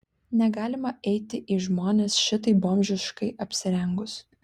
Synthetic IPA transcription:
nʲɛɡɑːlʲɪmɐɛɪt̪ʲɪʔiːʒmoːnʲeːsʃʲɪt̪ɐɪboːmʲʒʲɪʃkɐɪʔɐpʲsʲɪɾʲɛŋɡʊs

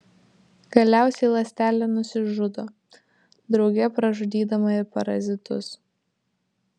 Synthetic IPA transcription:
ɡ̥ɐlʲæˑʊsʲɛɪlˠɐsʲt̪ʲæːlʲɛnʊsʲɪʒʊd̪oː | d̪ɾɒʊɡʲɛpɾɐʒʊd̪ʲiːd̪ɐmɐɪɾpɐɾɐ̰zʲɪt̪ʊ̰s

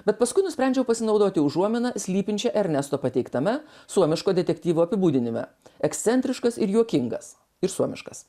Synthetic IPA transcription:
bʲɛt̪pɐskʊɪnʊsʲpʲɾʲɛˑnʲd͡ʒʲɛʊpɐsʲɪnɒʊd̪oːt̪ʲɪʊʒuɔmʲɪnɐsʲlʲiːpʲɪnʲt͡ʃʲɛʔɛɾʲnʲɛst̪oːpɐt̪ʲɛɪkt̪ɐmʲɛsuɔmʲɪʃkoːd̪ʲɛt̪ʲɛkt̪ʲiːʋuːɐpʲɪbuːd̪ʲɪnʲɪmʲɛ̰ | ɛkst̪sʲɛnʲt̪ʲɾʲɪʃkɐsɪɾjuɔkʲɪŋɡɐ̰s | ɪɾsuɔmʲɪʃkɐs

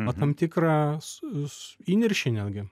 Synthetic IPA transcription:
ot̪ɐmt̪ʲɪkɾɑssiːnʲɪɾʲʃʲɪnʲɛːd̪ʲɡʲɪ

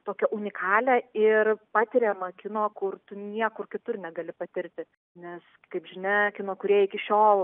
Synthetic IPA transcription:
t̪oːkʲɛʔʊnʲɪkʰɑːlʲɛɪrpɑːt̪ʲɪɾʲɛmɐkʲɪnoːkʊrt̪ʊnʲiɛkʊrkʲɪt̪ʊrnʲɛɡɐlʲɪpɐt̪ʲɪɾʲt̪ʲɪ | nʲɛs | kɐɪpʒʲɪnʲɛkʲɪnoːkʊɾʲiɛjɪkʲɪʃʲoːlˠ

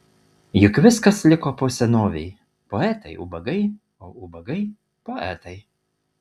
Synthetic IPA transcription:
jʊkʋʲɪskɐslʲɪkoːpoːsʲɛnoːʋʲɛɪ | poːɛt̪ɐɪʔʊ̰bɐɡɐɪ | oːʊbɐɡɐɪ | poːɛ̰t̪ɐɪ

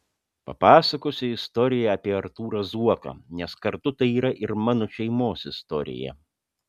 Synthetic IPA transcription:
pɐ̰pɑːsɐkoːsʲɪɪst̪ɔːɾʲɪjɛɐpʲiɛɐɾt̪uːɾɐzuɔkɐ̰nʲɛskɐɾt̪ʊt̪ɐɪiːɾɐʔɪɾmɑːnoʃʲɛɪmoːsɪst̪ɔɾʲɪ̰jɛ̰

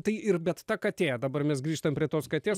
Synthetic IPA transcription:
t̪ɐɪʔɪrbʲɛt̪t̪ɐkɐt̪ʲeːd̪ɐbɐrmʲɛsɡɾʲiːʃt̪ɐmʲpʲɾʲiɛt̪oːskɐt̪ʲeːs

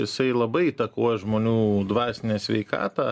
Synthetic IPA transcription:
ɪsɐɪlˠɐbɐɪiːt̪ɐkoɔjɛʒmoːnʲuːd̪ʋɑːsʲɪnʲeːsʲʋʲɛɪkɑ̰ːt̪ɑː

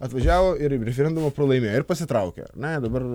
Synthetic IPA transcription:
ɐt̪ʋɐʒʲæːʋoːɪɾɾʲɛfʲɛɾʲɛnd̪ʊmɐpɾolˠɐɪmʲeːjɪɾpɐsʲɪt̪ɾɐʊkʲḛɐ̰ɾnʲɛd̪ɐbɐr

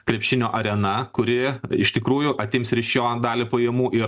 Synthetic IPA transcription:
kɾʲɛpʲʃʲɪnʲoːʔɐɾʲɛnɐkʊɾʲɪɪʃt̪ʲɪkɾuːjʊʔɐt̪ʲeːmsɾʲɪʃjoːd̪ɑːlʲɪpoːjiɛmuːʔɪɾ

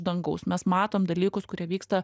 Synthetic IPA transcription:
d̪ɐŋɡɐʊsmʲɛsmɑːt̪oːmd̪ɐlʲiːkʊskʊɾʲiɛʋʲiːkst̪ɐ

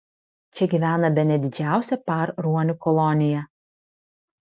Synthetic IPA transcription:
t͡ʃʲɛɡʲiːʋʲæːnɐbʲɛnʲɛd̪ʲɪd͡ʒʲæˑʊsʲɛpɑˑɾɾuɔnʲʊkɔlˠɔnʲɪjɛ

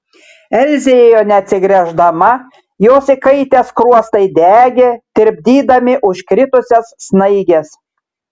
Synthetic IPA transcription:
ɛlʲzʲejoːnʲɛɐt̪ʲsʲɪɡɾʲɛʒd̪ɐmɐ | joːsikɐɪt̪ʲeːskɾuɔst̪ɐɪd̪ʲæːɡʲet̪ʲɪɾʲbʲd̪ʲiːd̪ɐmʲɪʔʊʃkɾʲɪt̪ʊsʲɛsːnɐɪɡʲes

